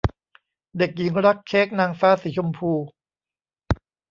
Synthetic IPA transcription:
de˨˩k̚ji˩˦ŋɾa˦˥k̚t͡ɕʰeː˦˥k̚naː˧ŋfaː˦˥siː˩˦t͡ɕʰu˧mpʰuː˧

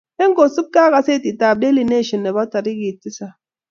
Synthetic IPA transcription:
e˦ŋ̩˦ɡo˨su˦p̚ka˦ɣa˦se˦˨ti˨ta˨b̚de˦li˨ne˦˨ʃi˨nːe˨ba˦ta˨ɾi˦ɡi˨ti˦sa˦

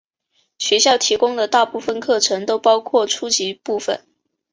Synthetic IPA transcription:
ɕɥɛ˧˥ɕjɑ˥˩ʊt̪ʰi˧˥kʊ˥ŋd̪ə˨t̪a˥˧pu˥˩fə˨˩nkʰɤ˥˩ʈ͡ʂʰɤ˧˥ŋt̪o˥ʊpɑ˥ʊkʰwɔ˥˩ʈ͡ʂʰu˥t͡ɕi˧˥pu˥˩fə̰˨˩˦n

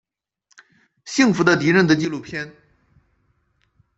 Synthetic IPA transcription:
ɕi˥˩ŋfu˧˥d̪ə˧t̪i˧˥ɻə˥˩nd̪ə˩t͡ɕi˥˧lu˥˩pʰjɛ˥n

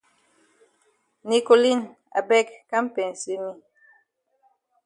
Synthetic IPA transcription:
ni˨ko˨li˦n | a̰˨bɛ˦kka˦m̩˦pɛ˨n˨si˦mi˦

